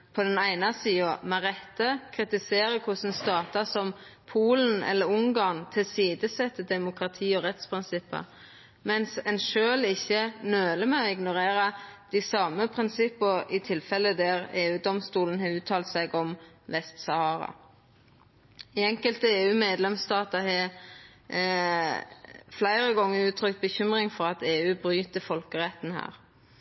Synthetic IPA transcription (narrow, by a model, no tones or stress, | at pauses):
pʰɔd̪ɛnæɪnɑsiːɔmɑɾɛt̪ːəkʰɾɪt̪ɪseːɾəkʰʊsən̩st̪ɑːt̪ɑsɔmpʰuːlənɛ̰lːəɾʊŋɡɑːnt̪ʰɪlsiːd̪əsɛt̪ːəd̪ɛmʊkʁɑt̪ʰiːɔɾɛt̪spʰʁɪnsɪpːə̰ | mɛnsɛnʃøːlɪçːənøːləmɛɔɪɡnʊɾeːɾɑd̪̥ɪsɑməpʰɾɪnsɪpːəɾɪt̪ʰɪlfɛlːəd̪æʁeːʉːd̪ɔmst̪uːlnhɑːʉːt̪ʰːɑːlt̪sæɪɡɔm | ʋɛst̪sɑhɑːɾɑ̰ | ɪɛŋkəlt̪əeːʉːmeːd̪lɛmst̪ɑːt̪əhe | flæɪʁəɡɔŋːəɾʉːt̪ʰɾʏkt̪̚bəçʏmʁɪŋfɔɾɑt̪eːʉːbʁyːt̪əfɔlkəʁɛt̪n̩hæ̰ːɾ